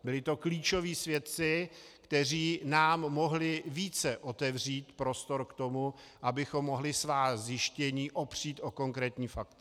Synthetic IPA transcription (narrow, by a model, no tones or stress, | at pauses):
bɪlɪt̪o̞kliːt͡ʃo̞viːsvjɛt̪̚t͡sɪkt̪ɛr̝iːnaːmːo̞ɦlɪviːt͡sɛʔo̞t̪ɛvr̝iːt̪pɾo̞st̪oɾkt̪o̞muʔabɪxo̞mːo̞ɦlɪsvaːzjɪʃcɛɲiːʔo̞pr̝̥iːt̪ʔo̞ko̞ŋkɾɛːt̪ɲiːfak̚t̪